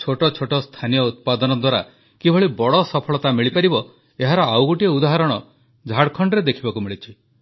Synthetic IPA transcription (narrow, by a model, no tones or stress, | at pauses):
t͡ʃʰoʈɔt͡ʃʰoʈɔst̪ʰanijɔut̪̚pad̪ɔnɔd̪waɾa | kibʱɔɭibɔɽɔsɔpʰɔɭɔt̪amiɭipaɾibɔ | eɦaɾɔawɡuʈieud̪aɦaɾɔɽ̃ɔ | d͡ʒʱaɽkʰɔɳɖɾed̪ekʰibakumiɭit͡ʃʰi